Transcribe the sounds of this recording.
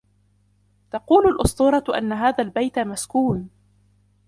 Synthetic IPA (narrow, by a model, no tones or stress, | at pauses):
t̪ɑquːlalʔʊsˤt̪ˤuːɾˤɑʔa̰nːaɦaːðaːlbajt̪amaskuːn